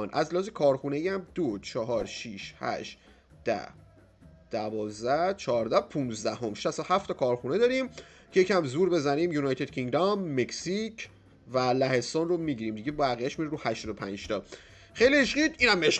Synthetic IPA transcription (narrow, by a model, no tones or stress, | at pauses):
nʔæzleːzekʰɒːɾxunejæmd̪̥ot͡ʃʰɒɦɒːɾʃiʃhæ̰ʃt̪ | d̪̥æ̰ | d̪̥ævɒːzd̪æht͡ʃʰɒːɾd̪æpʰunzd̪æho̞mʃæsohæft̪ʰɒkʰɒːɾxuned̪ɒɾim | cʰe̞jecʰæmzuːɾbe̞zæniːmjunɒjt̪ʰe̞d̪cʰiŋɡd̪ɒmːeksicʰ | vælæhe̞st̪onromiɟiɾiːmd̪iɟebæɣijæʃmiɾeɾuːhæʃt̪ɔd̪opʰænd͡ʒt̪ʰɒː | xejlieʃɢiːd̪iːnæmeʃ